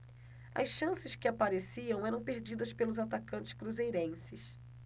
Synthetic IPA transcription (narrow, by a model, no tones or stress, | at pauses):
ɐ̰sʃɐ̃sɪskɪapaɾesiɐ̃w̃ɛɾɐ̃w̃peɾd͡ʒid̪ɐspelʊzat̪akɐ̃nt͡ʃɪ̥skɾuzejɾẽsɪs